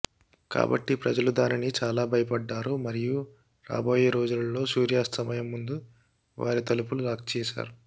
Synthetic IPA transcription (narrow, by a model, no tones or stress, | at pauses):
ka̰ːbɐ̰ʈːipɾɐd͡ʒɐlud̪aːninit͡ʃaːlaːbʱɐjɐpɐɖːaːɾumɐɾiju | ɾa̰ːboːjɐɾo̞ːd͡ʒulɐlːo̞ːsuːɾjaːst̪ɐmɐjɐmːund̪u | ʋa̰ːɾit̪ɐlupuluɾaːkt͡ʃɛːʃa̰ːɾu